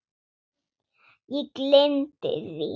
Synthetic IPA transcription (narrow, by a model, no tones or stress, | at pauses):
it̪lent̪ḛzḭ